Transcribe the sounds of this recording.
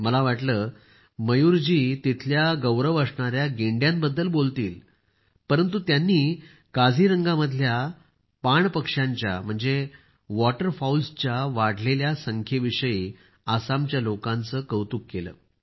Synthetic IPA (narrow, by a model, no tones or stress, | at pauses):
məlaʋaʈləː | məjuɾd͡ʑiːt̪it̪ʰljaɡəwɾəʋəsɳaɾjaɡeɳɖjãmbəd̪ːəlbolt̪iːl | pəɾənt̪ut̪janːiː | kad͡zʱiːɾəŋɡaməd̪ʱlja | paɳpəkʂaɲt͡ɕja̰m̤əɳd͡ze | ʋɔʈəɾfaulst͡ɕjaʋaɽ̤leljasəŋkʰeʋiʂəjiː | asamt͡ɕjalokãnt͡səːkəwt̪uːkːelə̰ː